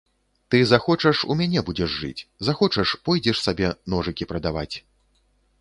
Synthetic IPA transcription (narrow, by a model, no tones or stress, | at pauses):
t̪ɨzaxɔt͡ʂɐʂṵmʲanʲɛbud͡zʲɛʐʐɨ̰t͡sʲzaxɔt͡ʂɐʂpɔjd͡zʲɛʂsabʲɛnɔʐɨkʲipɾɐd̪ava̰t͡sʲ